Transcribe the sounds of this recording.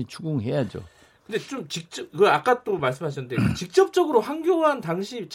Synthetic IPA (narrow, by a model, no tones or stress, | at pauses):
it͡ɕʰuɡuŋɦe̞jad͡ʑo̰ | kɯndet͡ɕomt͡ɕik̚t͡ɕ͈ʌbkɯak͈at͈omaɭs̬͈ɯmɦaɕʰʌnɯndet͡ɕik̚t͡ɕ͈ʌp̚t͡ɕ͈ʌɡɯɾohaŋɡjoɦantaŋɕʰit͡ɕ